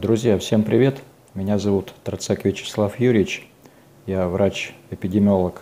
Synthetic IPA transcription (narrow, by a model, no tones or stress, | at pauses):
d̪ɾʊzʲjafsʲe̞mpɾʲɪvʲe̞t̪ | mʲɪnʲazɐvut̪ːɾt̪sakvʲɪt͡ɕɪ̥slˠafjuɾʲɪɪt͡ɕ | javɾat͡ɕɪpʲɪdʲɪmʲɪolˠək